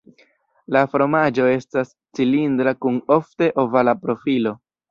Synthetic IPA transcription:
lafɾo̞mad͡ʒo̞e̞stas | t͡silindɾakuno̞fte̞ʔo̞valapɾo̞filo̞

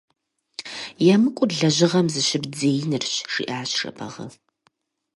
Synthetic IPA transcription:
jamɨkʷʼʊɮɐʑɪʁɐmzɨʃɪbd͡zeːjnɨrɕʂḭːʔaːɕrɐ̰pʰɐ̰ʁɐ̰

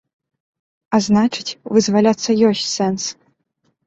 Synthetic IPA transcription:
aznat͡ʂɨ̥t͡sʲvɨzvalʲat̪sːɐjɔsʲt͡sʲsɛns

